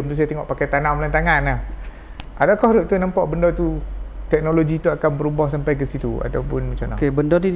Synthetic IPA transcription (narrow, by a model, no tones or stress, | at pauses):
mt̪us̬iat̪ɛŋɔ̰ʔpakajt̪anawmlant̪aŋanah | ʔadakɔhɾuʔ̚t̪unampa̰ʔbəndɔt̪ut̪ɛk̚noloɡit̪uakanbəɾubɔhsampajkəsit̪ua̰t̪awpʊnmat͡ʃamna̰kebəndɔt̪u